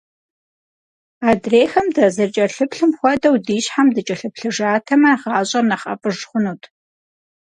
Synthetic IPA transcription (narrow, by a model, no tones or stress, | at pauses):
aːdreːxɐmdɐzɐrt͡ʃʼɐɬɨpɬɨmxʷɔdɐwdiːɕħamdɨt͡ʃʼɐɬɨpɬɨʐaːtʰɐmɐʁɑːɕʼɐnɐχʼɐ̰pʼɨʐχʷʊnuːtʰʼ